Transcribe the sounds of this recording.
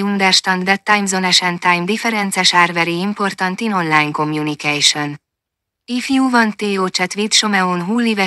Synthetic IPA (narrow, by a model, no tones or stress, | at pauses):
und̪ɛrʃt̪ɒnd̪dɛt̪ːajmzonɛʃɛnt̪ajmd̪ifɛɾɛnt̪sɛʃaːrvɛɾiimpo̞rt̪ɒnt̪ino̞nlaːjnko̞mjunikɛjʃo̞n | ifjuːvɒnt̪eːoːt͡ʃɛt̪ʋit̪ʃomɛonɦuːlːivɛ